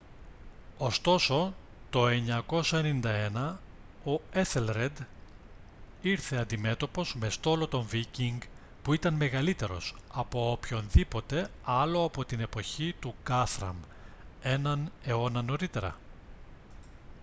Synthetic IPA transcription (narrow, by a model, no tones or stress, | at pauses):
o̞st̪o̞so̞ | t̪o̞e̞ɲɐko̞sɐenind̪ɐe̞nɐ | o̞eθelɾe̞d̪ | iɾθe̞ɐnd̪ime̞t̪o̞po̞zme̞st̪o̞lo̞t̪o̞ɱviciŋɡ | puit̪ɐnme̞ɣɐlit̪e̞ɾo̞̰sɐpo̞opço̞nðipo̞t̪e̞ɐlo̞ɐpo̞t̪ine̞po̞çit̪uɡɐθɾɐ̰m | e̞nɐne̞o̞nɐno̞ɾit̪e̞ɾɐ̰